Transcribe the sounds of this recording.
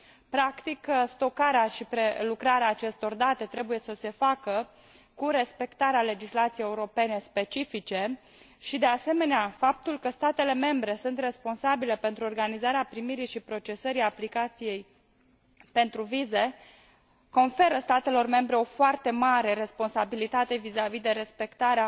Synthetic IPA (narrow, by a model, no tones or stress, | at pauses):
pɾakt̪ikst̪o̞kaɾeaʃipɾelukɾaɾeaːt͡ʃe̞st̪o̞rd̪at̪e̞t̪ɾe̞buje̞səse̞fakə | kuɾe̞spe̞kt̪aɾeale̞d͡ʒislat̪sijejeuɾo̞pe̞ne̞spe̞t͡ʃifit͡ʃe̞ | ʃid̪e̞ase̞me̞neafap̚t̪ulkəst̪at̪e̞le̞me̞mbɾe̞sunt̪re̞spo̞nsabile̞pe̞nt̪ɾuo̞rɡanizaɾeapɾimiɾijʃipɾo̞t͡ʃe̞səɾijaplikat̪sije̞j | pe̞nt̪ɾuvize̞ | ko̞nfe̞ɾəst̪at̪e̞lo̞rme̞mbɾe̞o̞foart̪e̞maɾe̞ɾe̞spo̞nsabilit̪at̪e̞vizavid̪e̞ɾe̞spe̞kt̪aɾea